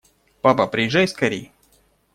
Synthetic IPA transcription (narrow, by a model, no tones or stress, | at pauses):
papapɾʲɪjɪʐːajskɐɾʲej